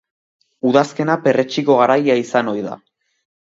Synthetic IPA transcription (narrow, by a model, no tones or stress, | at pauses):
uðaske̞nape̞re̞t͡ʃiko̞ɣ̞aɾajaisano̞jða̰